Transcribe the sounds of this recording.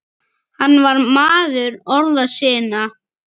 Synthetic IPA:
hanːvaɾmaːðʏɾɔɾðasɪːna

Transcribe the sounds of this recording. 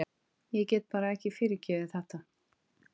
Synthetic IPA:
jɛcɛːt̪̚paːɾaɛhcɪfɪːɾɪɾcɛːvɪθɛht̪a

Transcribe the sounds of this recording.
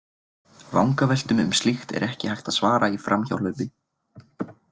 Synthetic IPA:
vawŋkavɛjl̥t̪ʏmʏ̰mst̪lixt̪ɛ̰ɾɛhcɪhajht̪aðsvaːɾaifɾamça̰wlœɥpɪ

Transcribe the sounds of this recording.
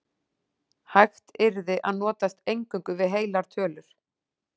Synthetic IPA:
hajxt̪ɪɾðɪʔa̰ðnɔːt̪ast̪ejŋkʏŋkʏvɪðɦeːjlaɾ̥t̪ʰœːlʏɾ̥

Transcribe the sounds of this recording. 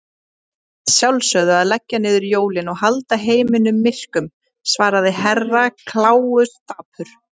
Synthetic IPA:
sjawlsœðʏaðlɛcːanɪːðʏɾjoːwlɪnɔɣhalt̪aɦeːjmɪnʏmːɪr̥kʏm | svaːɾaðɪhɛrːakʰlaːwʏst̪aːpʰʏɾ̥

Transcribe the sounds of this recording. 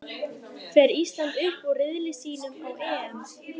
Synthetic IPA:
fɛːɾiːst̪lant̪ʏhpɔrɪðlɪsiːnʏmawɛːɛm

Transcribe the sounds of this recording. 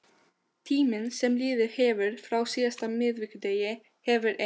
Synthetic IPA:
t̪ʰiːmənsɛmliːðɪɾheːʋəɾfɾawsiːast̪amɪːðʋɪkd̪ejɪ | hɛːʋʏɾʔe

